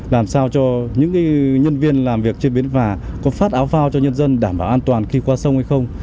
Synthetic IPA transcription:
laː˨˩msaː˧wt͡ɕɔ˧ɲɨ̰˧˥ŋkaː˨˦ɲə˧nvi˧ənlaː˨˩mvi˨˩ək̚t͡ɕi˧ɓi˨˦ənvaː˨˩ | kɔ˨˦faː˦˥t̚ʔaː˨˦wfaː˧wt͡ɕɔ˧ɲə˧nzə˧nɗaː˧˩mɓaː˧˩wʔaː˧nt̪waː˨˩nxi˧kwaː˧sə˧wŋ͡mha˧jxə˧wŋ͡m

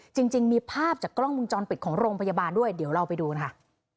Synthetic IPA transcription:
t͡ɕi˧ŋt͡ɕi˧ŋmiː˧pʰaː˥˩p̚t͡ɕaː˨˩kːɾɔ˥˩ŋwu˧nt͡ɕɔː˧npi˨˩t̪̚kʰɔː˩˦ŋɾoː˧ŋpʰa˧ja˧baː˧ndu˥˩əjdi˩˦wɾa˧wpa˧jduː˧n˧kʰa˦˥˩

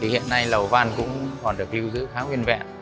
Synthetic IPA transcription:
i˨˩hḭ˧˨ənːa˧jlə˨˩wvaː˧nkʊ̰˧˥ŋ͡mkɔ˨˩nɗɨ˨˩ək̚li˧wzɨ̰˧˥xaː˨˦ŋwi˧ənvɛ̰˧˨n

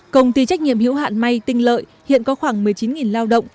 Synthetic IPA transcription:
kə˧wŋ͡mt̪i˧t͡ɕa˦˥jk̟̚ɲḭ˧˨əmhḭ˧˥wɦa̰ː˧˨nma˧jt̪ï˧ŋ̟lə̰ː˧˨j | hḭ˧˨ənkɔ˨˦xwaː˧˩ŋmɨ˨˩əjt͡ɕi˨˦nŋi˨˩nlaː˧wɗə̰˧˨wŋ͡m

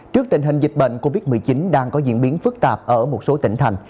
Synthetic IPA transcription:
t͡ɕɨ˦˥ək̚t̪ï˨˩ŋ̟ɦï˨˩ŋ̟zi̟˨˩ɓḛ˧˨ŋ̟ko˧vi˦˥t̚mɨ˨˩əjt͡ɕi˨˦nɗaː˧ŋkɔ˨˦zḭ˧˨ənɓi˨˦ənfɨ˦˥k̚t̪aː˨˩p̚ʔəː˧˩mo˨˩t̚so˨˦t̪ï˧˩ŋt̪ʰa˨˩jŋ̟

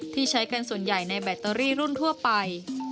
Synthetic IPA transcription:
t̪ʰiː˥˩t͡ɕʰa˦˥jka˧nsu˨˩ənja˨˩jna˧jbɛ˨˩t̪ːɤː˧ɾiː˥˩ɾu˥˩nt̪ʰu˥˩ɐpa˧j

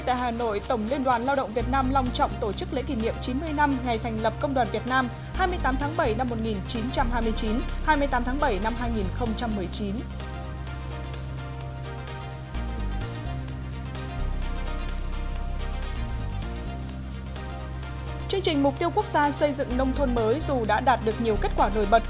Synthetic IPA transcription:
jt̪a̰ː˧˨jɦaː˨˩no̰˧˨jt̪ə˧˩wŋ͡mli˧ənɗwaː˨˩nlaː˧wɗə̰˧˨wŋ͡mvi˨˩ət̚naː˧mla˧wŋ͡mt͡ɕɔ̰˧˨wŋ͡mt̪o˧˩t͡ɕɨ˦˥k̚lḛ˧˥ki˨˩nḭ˧˨əmt͡ɕi˨˦nmɨ˧əjna˧mŋa˨˩jt̪ʰɛ˨˩jŋ̟lə˨˩p̚kə˧wŋ͡mɗwaː˨˩nvi˨˩ət̚naː˧m | haː˧jmɨ˧əjt̪aː˨˦mt̪ʰaː˨˦ŋɓə˧˩jna˧mːo˨˩t̚ŋi˨˩nt͡ɕi˨˦nt͡ɕa˧mɦaː˧jmɨ˧əjt͡ɕi˨˦nhaː˧jmɨ˧ət̪aː˨˦mt̪ʰaː˨˦ŋɓə˧˩jna˧mɦaː˧jŋi˨˩nxə˧wŋ͡mt͡ɕa˧mːɨ˨˩əjt͡ɕi˨˦n | t͡ɕɨ˧əŋt͡ɕï˨˩ŋ̟mʊ˨˩k͡p̚t̪i˧əwku˦˥k̚zaː˧sə˧jzɨ̰˧˨ŋnə˧wŋ͡mt̪ʰwə˧nməː˨˦jzu˨˩ɗa̰ː˧˥ɗaː˨˩t̚ɗɨ˨˩ək̚ɲi˨˩əwke˦˥t̚kwaː˧˩no̰˧˩jɓə˨˩t̚

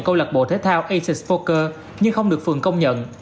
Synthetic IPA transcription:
ŋkə˧wlə˨˩k̚ɓo̰˧˨˩t̪ʰeː˨˦˥t̪ʰaː˧wʔə˧jsɛ˨˩svo˧kəː˧ | ɲɨ˧ŋxə˧wŋ͡mɗɨ˨˩ək̚fɨ˨˩əŋkə˧wŋ͡mɲə̰˧˨n

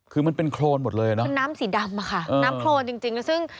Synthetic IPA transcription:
kʰɯː˧ma˧npe˧nkʰloː˧nmo˨˩t̪̚lɤː˧ja˨˩nɔ˦˧nːaː˦˥msi˨˩˦da˧mːa˧˩kʰa˥˩ʔnː˧aː˦˥mkʰloː˧nt͡ɕi˧ŋt͡ɕi˧ŋla˦˥sɯ˥˩ŋ

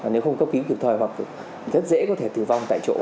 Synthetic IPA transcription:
aː˨˩ne˨˦wxə˧wŋ͡mkə˦˥p̚ki˨˦ki˨˩əp̚t̪ʰɔː˧˩jɦwa˨˩k̚ | zə˦˥t̚zḛ˧˥kɔ˨˦t̪ʰe˧˩t̪ɨ˨˩va˧wŋ͡mt̪a̰ː˧˨jt͡ɕo̰˧˥

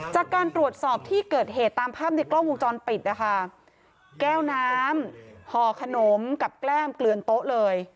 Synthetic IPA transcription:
t͡ɕaː˨˩kːaː˧nt̪ɾu˨˩ət̪̚sɔː˨˩p̚t̪ʰiː˥˩kɤː˨˩t̪̚ɦeː˨˩t̪ːaː˧mpʰaː˥˩p̚na˧jklɔː˥˩ŋwo˧ŋt͡ɕɔː˧npi˨˩t̪̚na˦˩kʰa˥˩ | kɛː˥˩wnaː˦˥mhɔː˨˩kʰa˧no˩˦mka˨˩p̚klɛː˥˩mklɯ˨˩ənt̪o˦˥ʔlɤː˧j

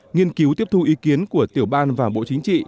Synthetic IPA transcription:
ŋi˧ənki˨˦wt̪i˦˥əp̚t̪ʰu˧ʔi˨˦ki˨˦ənku˧˩ət̪i˧˩əwɓaː˧nvaː˨˩ɓo̰˧˨t͡ɕï˨˦ŋ̟t͡ɕḭ˧˨

